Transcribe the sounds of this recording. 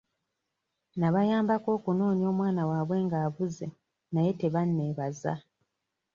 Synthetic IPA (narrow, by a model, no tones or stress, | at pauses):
naβajaːmbako̞ːkuno̞ːɲio̞ːmwaːnawaːβwe̞ːŋɡaːβuze̞ | naje̞te̞βanːe̞ːβaza̰